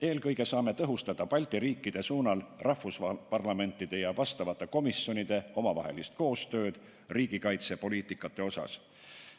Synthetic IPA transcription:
e̞ːlkɤjɡ̥e̞sɑːme̞t̪ɤɦust̪ɑd̪̥ɑpɑlʲt̪iɾiːkːˑid̪̥e̞suːnɑlrɑhvuspɑrlɑme̞nt̪ˑːid̪̥e̞jɑvɑst̪ɑvɑt̪ːˑe̞ko̞misjo̞nid̪̥e̞o̞mɑvɑ̰ɦe̞̰list̪̚ko̞ːst̪ø̞ːd̪̥ | riːɡ̥ikɑjt̪sepo̞liːt̪ˑikːˑɑt̪ːˑe̞o̞sɑ̰s

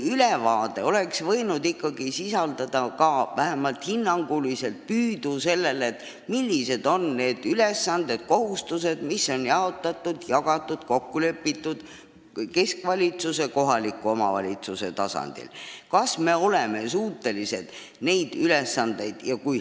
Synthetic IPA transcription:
ylevɑːd̪e̞o̞le̞ksvɤ̞jnud̪ikːɑɡ̥isisɑld̪̥ɑd̪̥ɑkɑvæɦemɑlt̪hinːɑŋɡ̥ulise̞lt̪̚pyːd̪̥use̞lːe̞let̪ːˑ | milʲːise̞d̪̥o̞nːe̞ːd̪̥yle̞sːɑnd̪e̞d̪̥̚ko̞ɦust̪use̞d̪̥misːo̞njɑo̞t̪ːˑɑt̪ːˑud̪̥jɑɡ̥ɑt̪ːˑud̪̥ko̞kːule̞pːit̪ːˑud̪̥ | ke̞skvɑlʲit̪suse̞ko̞ɦɑlikːˑuo̞mɑ̰vɑ̰lʲit̪suse̞̰t̪ɑsɑ̰nd̪̥ḭlkɑsme̞o̞leme̞suːt̪ːe̞lise̞̰d̪̥ | ne̞jd̪̥yle̞sːɑnd̪̥e̞jd̪̥jɑkuj

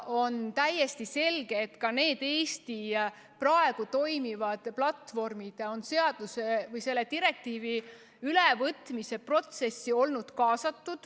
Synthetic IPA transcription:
o̞nt̪æjːe̞st̪ise̞lɡ̥e̞ːt̪kɑne̞ːd̪̥e̞ːst̪i | prɑe̞ɡ̥ut̪o̞jmivɑd̪̥plɑt̪ːvo̞rmid̪̥o̞nse̞ɑd̪̥use̞vɤjse̞lːe̞t̪iɾe̞k̚t̪iːvi | ylevɤt̪ˑmise̞pro̞t̪se̞sːio̞lnud̪̥kɑːsɑt̪ːud̪̥

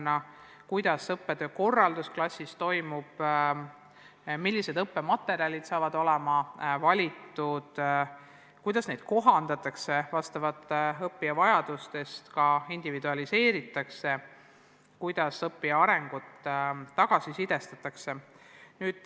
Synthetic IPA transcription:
nːɑ | kujd̪̥ɑsɤpːed̪eko̞rːɑld̪usklɑsʲːist̪o̞jmub̥ | milːise̞d̪ɤpːe̞mɑt̪ːˑe̞ɾiɑlʲid̪̥sɑːvɑd̪o̞lɛmɑvɑlʲit̪ːˑud̪̥ | kujd̪̥ɑsne̞jd̪̥̚ko̞ɦɑnd̪̥ɑt̪ːˑɑkse̞vɑst̪ɑvɑt̪ːˑɤpːiɑvɑjɑd̪̥ust̪e̞st̪kɑind̪̥ivid̪uɑlise̞ːɾit̪ːˑɑkse̞ | kujd̪̥ɑsɤpːiɑɑɾe̞ŋɡ̥ut̪ːɑɡ̥ɑsisid̪̥e̞st̪ɑt̪ːˑɑkse̞ | nyːd̪̥

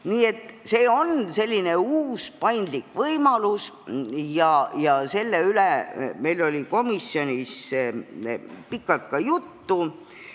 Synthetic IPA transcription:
niːe̞t̪ːse̞ːo̞nse̞lʲːine̞uːspɑjnd̪likvɤjmɑlus | jɑjɑse̞lːeyleme̞jlolʲiko̞misːjo̞nʲis | pikːˑɑlt̪̚kɑjut̪ːu

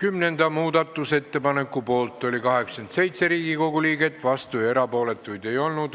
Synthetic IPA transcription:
kymne̞nd̪̥ɑmuːd̪ɑt̪ːˑuse̞t̪ːe̞pɑne̞kːupo̞ːlt̪ːˑo̞lʲikɑɦe̞ksent̪se̞jt̪se̞ɾiːɡiko̞ɡuliːɡe̞t̪ːˑvɑst̪ujɑe̞ɾɑpo̞ːle̞t̪ːˑujd̪e̞jo̞lnud̪̥

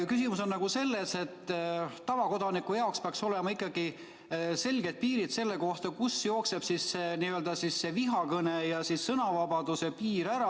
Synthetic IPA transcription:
kysimuso̞nːɑɡ̥use̞lːese̞t̪ː | ɑvɑko̞d̪̥ɑnikːˑujɑokspeɑkso̞le̞mɑikːˑɑɡ̥i | se̞lʲɡe̞d̪̚piːɾid̪̥se̞lːe̞ko̞ht̪ɑkusjo̞ːkse̞b̥sisːeniøld̪̥ɑsisːe̞viɦɑkɤnejɑsisːɤnɑvɑbɑd̪̥use̞piːɾæɾɑ

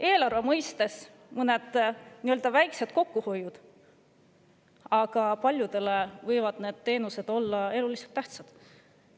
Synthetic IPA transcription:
e̞ːlɑrve̞mɤjst̪e̞s | mɤne̞d̪̥niø̞ld̪ɑvæjkse̞d̪̥̚ko̞kːuho̞jud̪̥ | ɑɡ̥ɑpɑlʲjud̪̥e̞levɤjvɑd̪̥ne̞ːd̪̥t̪e̞ːnuse̞d̪̥o̞lːɑe̞luliselt̪ːæht̪sɑd̪̥

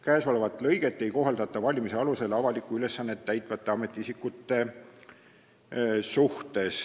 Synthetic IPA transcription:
kæːso̞le̞vɑt̪ːˑlɤjɡ̥e̞t̪ːˑe̞jko̞ɦɑld̪ɑt̪ːˑɑvɑlʲimise̞ɑluse̞lɑvɑlikːˑuyle̞sːɑnːet̪ːæjt̪ˑvɑt̪ːˑe̞ɑme̞t̪ːˑiisikːut̪ːˑe̞ | suht̪e̞s

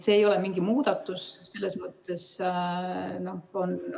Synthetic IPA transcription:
se̞ːjo̞lemiŋɡimuːd̪̥ɑt̪ːˑusselːe̞smɤt̪ːˑe̞s | no̞hon

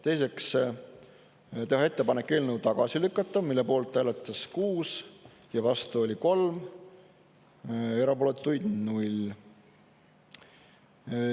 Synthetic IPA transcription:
t̪e̞jse̞ks | t̪e̞ɦɑe̞t̪ːe̞pɑne̞kːˑe̞ːlnəwt̪ɑɡ̥ɑsilykːˑɑt̪ˑːɑmilːe̞po̞ːlt̪ˑːæːlet̪ˑːɑskuːs | jɑvɑst̪uo̞lʲiko̞lm | e̞ɾɑpo̞let̪ˑːujd̪̥nulʲ

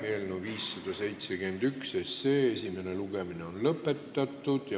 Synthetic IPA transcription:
melnuviːsːɑd̪̥ɑse̞jt̪se̞ɡ̥yend̪̥ykseseːesʲime̞neluɡ̥e̞mineo̞nlɤpːˑe̞t̪ːɑt̪ːˑud̪̥jɑ

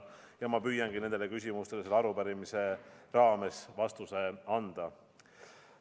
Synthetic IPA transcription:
jɑmɑpyjɑnɡ̥ine̞nd̪ele̞kys̬ʲimust̪e̞leelːɑɾupæɾimise̞rɑːme̞svɑst̪use̞ɑnd̪̥ɑ

